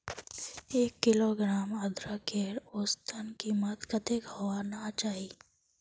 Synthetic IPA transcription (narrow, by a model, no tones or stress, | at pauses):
eːkːɪloːɡɾaːməd̪ɾakeːɽoːst̪ʰənkiːmət̪kət̪eɡowanat͡ʃaːɦiː